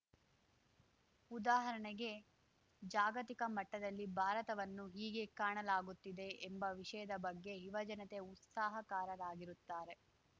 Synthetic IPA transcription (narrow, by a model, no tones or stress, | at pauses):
ud̪aːɦɐɾɐɳɛɡe̞ | d͡ʒaːɡɐt̪ikɐmɐʈːɐd̪ɐlːibʱaːɾɐt̪ɐʋɐnːuɦiːɡe̞kaːɳɐlaːɡut̪ːid̪e̞ʔːmbɐʋiʂɐjɐd̪ɐbɐɡːe̞ɦiʋɐd͡ʒɐnɐt̪e̞ut̪saːɦɐkaːɾɐdaːɡiɾut̪ːaːɾe̞